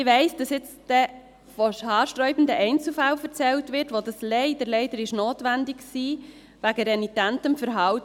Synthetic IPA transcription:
ɪʋɛɪsd̥ɑsɪt͡sd̥ɛ | fɔʃhɑːɾʃtɾœʏbən̩dəʔɛɪnt͡sl̩falfəɾt͡sɛltʋɪɾtʋodɑslɛɪdəlɛɪdəɾɪʃnoːtʋændɪksiː | ʋæɡəɾɛnitæntəmfəɾɦɑwt

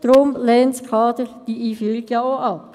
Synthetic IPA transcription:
d̥ɾʊmlɛːntkʰɑːdəd̥iʔiːfɪltjɑoːɑp̚

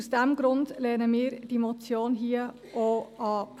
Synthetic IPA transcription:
usd̥ɛmɡɾʊndlɛnəmiːɾd̥imot͡sjoːnɦiːə | ʔoːɑp

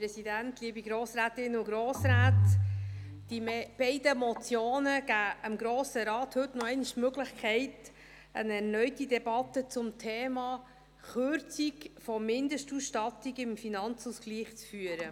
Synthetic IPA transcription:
pɾɛsidæntliːbiɡɾoːsɾæːtɪnʊɡɾoːsɾæːt | d̥imb̥ɛɪdəmɔt͡sjoːnəɡ̥æːəmɡɾoːsəɾɑːthɵtnɔɛɪniʃtmøɡlɪχkʰɛɪt | ə̰nɛɾnœʏtidɛb̥ɑtət͡sʊmtʰeːmɑ | χøɾt͡sikfɔmɪndəʃtuːsʃtɑtiɡɪmfinɑnt͡susɡ̥liːχt͡sfyːəɾə

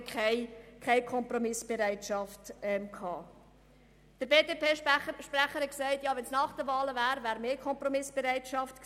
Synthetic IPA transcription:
kχɛɪkʰæɪkʰɔmpɾɔmɪsb̥eɾæɪtʃɑftɛmkʰɑː | d̥əɾbeːdeːpʰeːʃpræχəɾɛksæɪtjɑːʋɛnsnɑːχd̥əvɑːləvæːɾvæːɾmeːkʰɔmprɔmɪsb̥eɾæɪtʃɑftk

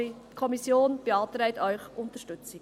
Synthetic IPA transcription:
itkʰɔmisjoːnb̥eɑːt̪ɾɛɪtœʏχʊntəɾʃtʏt͡sɪ

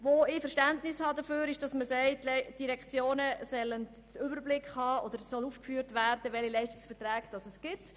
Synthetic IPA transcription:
ʋoɪfɛɾʃtæntnɪshɑːdəføːɾɪʃd̥ɑsməsɛɪtld̥iɾɛkt͡sjoːnəsœlːən | ʏbəɾblɪkχhɑːɔd̪əɾsœluːfkfyːɾtʋæːɾd̥əʋɛlilɛɪstɪ̥ksfətɾɛːɡd̥ɑsɛsɡ̥ɪt

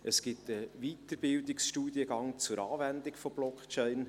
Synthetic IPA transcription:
ʔəsɡ̥ɪtəviːtəɾb̥ɪldɪksʃtuːd̥iəɡɑŋt͡sʊɾɑ̰ːvændɪkfob̥lɔkt͡ʃɛɪn

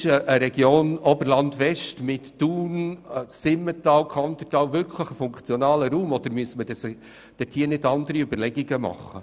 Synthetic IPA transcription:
ʃəʔːɾɛɡ̥joːnɔbəɾlɑnd̪ʋɛʃtmɪtːuːnsɪmːətɑːwkʰɑnt̪ətɑːwvʏɾkʰləχəfʊŋkt͡sjɔnɑːləɾuːmɔd̪̥əɾmyəsməd̥ɛs | d̥ɛthiːənɪdɑnd̪əɾiøbəɾlɛɡiɡəmɑ̰χːə

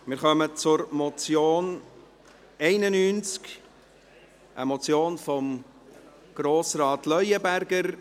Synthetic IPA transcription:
mɪɾχœmət͡sʊɾmɔt͡sjoːn | ɛɪnənyːnt͡sk | ʔəmɔt͡sjoːnfɔm | ɡ̥ɾoːsɾɑːtlœʏəbæɾɡəɾ

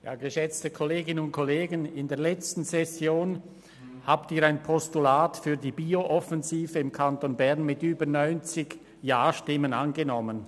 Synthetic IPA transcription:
ja̰ːɡəʃɛt͡stəkʰoleːɡɪnənʊntkʰoleːɡənɪndeːɐlɛt͡stn̩zɛsjoːn | haːptiːɐʁaɪnpʰɔstulaːtfyːɐdiːbiːoʔɔfɛnziːvəɪmkʰantonbɛʁnmɪtyːbənɔʏnt͡sɪɡ | jaːʃtɪmənanɡənɔmən

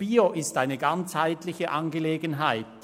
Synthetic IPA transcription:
b̥iːoʔɪstaɪnəɡant͡shaɪtlɪçəʔanɡəleːɡənɦaɪt

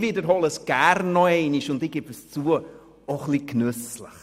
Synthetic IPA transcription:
vid̪əɾɦɔləsɡ̥æɾnːɔɛɪniʃʊndɪɡ̥ɪbəst͡suə | oχliknʉsləχ

